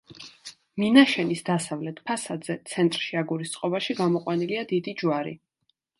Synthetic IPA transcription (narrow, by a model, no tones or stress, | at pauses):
minaʃɛnisd̪asavlɛt̪ʰpʰasad̪zɛt̪sʰɛnt̪ʼɾʃiaɡuɾist̪sʼqʼɔbaʃiɡamɔqʼwaniliad̪id̪id͡ʒwaɾḭ